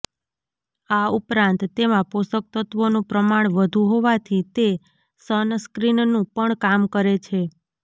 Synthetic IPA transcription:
aupɾãnt̪ːemãposək̚t̪ət̪ʋonũpɾəmaɳ̃ʋəd̪ʱũɦoʋat̪ʰit̪e | sənskɾinnũpəɳkamkəɾet͡ʃʰe

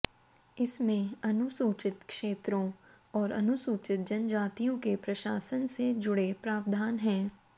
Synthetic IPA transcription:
ɪsmẽɐnʊsuːt͡ʃɪt̪kʃeːt̪ɾõ | ɔːɾɐ̰nʊsuːt͡ʃɪt̪̚d͡ʒɐnd͡ʒaːt̪ijõkepɾɐʃaːsənsed͡ʒʊɽepɾaːʋd̪ʱaːnɦɛ̃ː

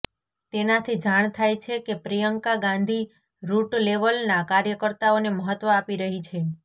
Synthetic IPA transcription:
t̪enat̪ʰid͡ʒaɳ̃t̪ʰajt͡ʃʰekepɾijəŋkaɡãnd̪ʱi | ɾuʈleʋəlnakaɾjəkəɾt̪aoneməɦət̪ʋəapiɾəɦit͡ʃʰe

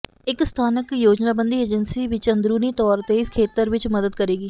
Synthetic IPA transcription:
ɪkst̪ʰaːnəkjoːd͡ʒnaːbənd̪iːeːd͡ʒənsiːʋɪt͡ʃənd̪ɾuːniːt̪ɔːɾt̪eːɪskʰeːt̪əɾʋɪt͡ʃməd̪əd̪̚kəɾeːɡiː

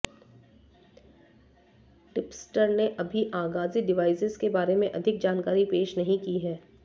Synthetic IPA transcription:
ʈɪpsʈəɾneʔɐbʱiʔaːɡaːziɖɪʋaːɪsɪzkebaːɾemẽʔɐd̪ʱɪk̚d͡ʒaːnkaːɾipeːʃnɐɦĩkiɦɛː

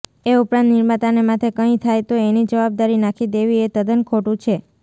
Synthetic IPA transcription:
eupɾãnt̪nɪɾmat̪anemat̪ʰekəĩt̪ʰajt̪oenid͡ʒəʋab̚d̪aɾinakʰid̪eʋiet̪əd̪ənkʰoʈũt͡ʃʰe

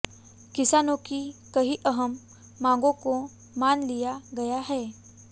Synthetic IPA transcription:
kisanokikəɦiːʔəɦəmː | ãɡõko | manlijaɡəjaɦɛ

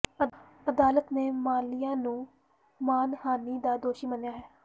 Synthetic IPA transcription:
ə | əd̪aːlət̪neːmaːlijãːnũː | maːnhaːniːd̪aːd̪oːʃiːmənjaːɦɛː

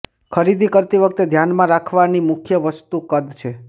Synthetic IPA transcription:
kʰəɾid̪ʱikəɾt̪iʋək̚t̪ed̪ʱjanmãɾakʰʋanimʊkʰjəʋəst̪ukəd̪t͡ʃʰe

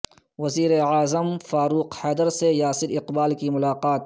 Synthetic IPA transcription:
wɐziːɾeaːzəmfaːɾuːqhɛːd̪əɾsejaːsɪɾɪqbaːlkimʊlaːqaːt̪

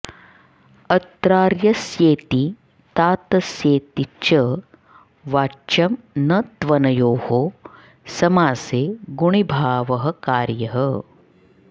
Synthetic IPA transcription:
ɐt̪ɾaːɾjɐsjeːt̪i | t̪aːt̪ɐsjeːt̪it͡ʃɐ | ʋaːt͡ʃɐmnɐt̪ʋɐnɐjoːho | sɐmaːseːɡuɳ̃ibʱaːʋɐɦɐ̆kaːɾjɐɦɐ

